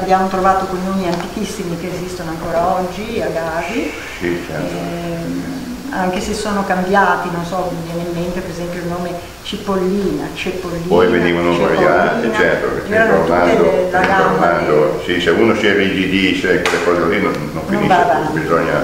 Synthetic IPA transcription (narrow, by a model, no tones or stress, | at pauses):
abjaːmot̪ɾovaːt̪okojnoːmiant̪ikisːimikeːzist̪onoaŋkoːɾaɔd͡ʒːiaɡaːzi | sit͡ʃɛ̰ | aŋkesesːoːnokambjaːt̪inonsɔmvjɛːneimːent̪epeɾezɛmpjoilnoːme | t͡ʃipːolːiːnat͡ʃepːolːipɔjveniːvanomaɾjat̪it͡ʃɛɾt̪o̰ket̪foɾmand̪oaiafoɾmand̪osiseunot͡ʃiɛvid͡ʒid̪isɛkelekɔzeolinoːõɱfinḭʃaevanbizɔɲːa